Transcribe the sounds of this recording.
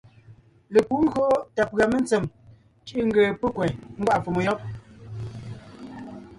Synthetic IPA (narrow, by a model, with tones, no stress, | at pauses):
le˨ku˦ŋ̩˦ɣɰo˦ta˨pɰa˨me˦nt͡se˨m | t͡ʃi˦ŋ̩˦ɡeː˨pe˦kwɛ˨ŋ̩˦ɡwa˦ʔfo˨mo˨jɔ˦p̚